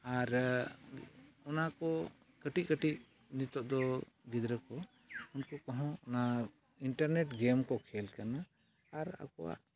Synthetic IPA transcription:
aɾ | ɔnakɔ | kəʈikəʈiʔ̚ | nit̪ɔʔ̚d̪ɔ | ɡid̪ɾəkɔ | unkɔkɔɦɔ̃ɔna | iɳʈaɾneʈɡɛmkɔkʰɛlkanaː | ɾa̰kɔwa̰ʔ

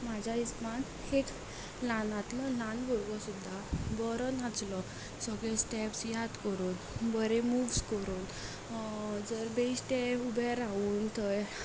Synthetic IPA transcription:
mad͡ʑʱaisman | hek | lanat̪lɔlãnbʱuɾɡɔsud̪ʱːabɔɾɔnat͡slɔ | sɔɡɭesʈɛpsjad̪kəɾuːn | bəɾemuʋskəɾuːn | d͡zəɾbeisʈ̪eubɛɾauːnt̪ʰɔj

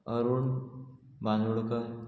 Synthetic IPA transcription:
əɾuːɳ | bãnuɽka

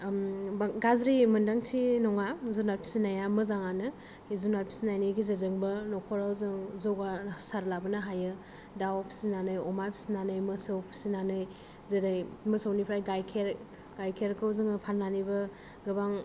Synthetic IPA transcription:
bɡazɾimɯndaŋtʰinɔŋazunaɾpʰi̥sinajamɯzaŋanɯ | izunaɾpʰi̥sinajniɡizedɯŋbɯnɔkʰɔɾawzɯŋzowɡasaɾlabɯnɯɦajɯ | dawpʰi̥sinanɯjɔmapʰi̥sinanɯjmɯsɯwpʰi̥sinanɯj | zedajmɯsawnipʰɾajɡajkʰeɾ | ɡajkʰeɾkʰɯwzɯŋpʰanːanibɯ | ɡɯbaŋ

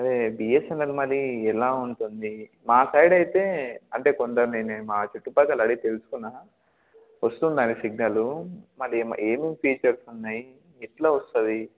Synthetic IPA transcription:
ɐdeːbijesɛnɐlmɐlːiɛlaːuɳʈund̪i | maːsɐjɖɐjit̪e̞ːɐɳʈe̞ːkond̪ɐɾneːnemaːt͡ʃuʈːupɐkɐlɐɽit̪e̞lusu̥kunːa | ʋɐst̪und̪aːnisiɡ̚nɐlumɐlːim̰eːmimpʰiːt͡ʃɐɾsunːaːji | ɛʈlaːʋɐst̪ɐd̪i

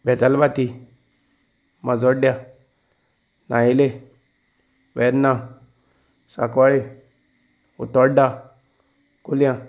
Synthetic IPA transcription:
bɛt̪albat̪i | mad͡zɔɖja | na̰ile | wɛɾna | sa̰kwaɭe | ṵt̪ɔɖa | kulijã

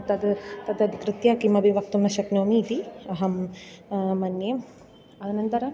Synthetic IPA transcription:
t̪ɐd̪t̪ɐd̪ɐd̪ikɾɨt̪jaːkimɐbiʋɐkt̪umnɐʃɐknoːmiːt̪iɐɦɐmː | ɐnje | ɐɐnɐnt̪ɐɾɐ

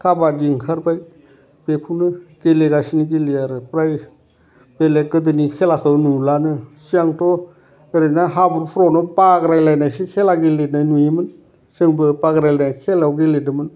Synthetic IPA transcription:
kʰabadiŋkʰaɾpaj | b̥epʰunɯɡ̥eleɡasiniɡiliaɾɯpɾaj | belekɯdɯnikʰelakʰɯwnulanɯsiaŋtɔ | eɾɯnaɦabuɾpʰɾɔnɔpaɡɾajlajnajsikʰelaɡilenajnujimɯn | sɯŋbɯpaɡɾajlanajkʰelawɡeledɯmɯn

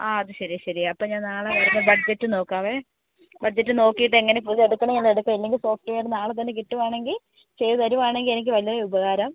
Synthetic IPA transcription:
aːɐðɨɕɐɾijɐɕɐɾijɐɐpːɐmɲaːnnaːɭeʋɐrɐnːɐbɐd͡ʑetːɨno̞ːkːaːʋe | bɐd͡ʑɐtːɨno̞ːkːijːʈ̬ːɨe̞ŋːɐne̞puðieɽukːɐɳɐmilːleɽukːɐmelːe̞ŋɡʲilso̞ːfʈːɨʋejʈːɨnaːɭet̪̬ːɐnːek̬iʈːumaːɳe̞ŋɡil | t͡ɕe̞jðɐðɐɾumaːɳe̞ŋɡile̞nik̬ʲːɨʋɐlijɐreubɐɣaːɾɐm

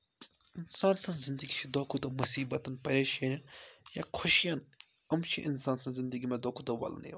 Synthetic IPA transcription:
insaːnsɐ̃nzind̪əɡit͡ʃʰid̪ɔːkʰut̪ɐmɐsiːbɐt̪ɐnpɐɾʲeʃeɾʲɐnjakʰoʃijan | ɐmt͡ʃʰiʔinsaːnsɐ̃nzɪnd̪əɡimẽd̪ɔːkʰut̪ɐʋɐ̰l̰nḭ

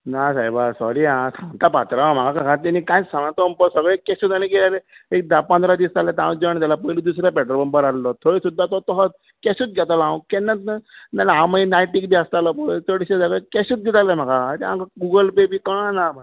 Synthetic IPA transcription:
nasajbasɔ̰ɾiːãsʰãnt̪apat̪ɾããm̤aɡakakat̪ɛnikãjsãŋãt̪ɔmpəsəɡɭekːɛɕut̪aɽ̃ikelalɛek̚d̪apə̃nd̪ɾad̪ist̪alet̪ãw̃d͡ʑɔañit̪̬ʲalapəjlid̪usɾjapɛʈəɾbəmbəɾallɔt̪ʰoɽesud̪ʱːat̪ɔt̪ɔɦɔt̪ | kɛɕuːt̪̚ɡʱɛt̪alãw̃kɛnːət̪nənalãmainajʈikbʱiast̪alɔpət͡səɽiɕed͡z̪aɡekɛɕuːt̪̚ɡɛt̪alem̤akat̪ãkaɡuɡəlpebikãnama

